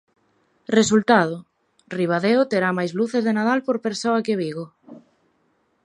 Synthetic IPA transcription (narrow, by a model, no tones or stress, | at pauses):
result̪að̞ʊ | riβ̞aðeʊt̪eɾamajzluθezðenaðalpoɾpeɾsoɐkeβiɣʊ